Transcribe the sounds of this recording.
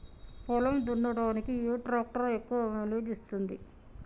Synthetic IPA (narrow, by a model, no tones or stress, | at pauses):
pɔlɐmd̪uɳːɐɽaːnikijuːʈɾaːk̚ʈɐɾekːuʋɐeleːd̪ist̪und̪i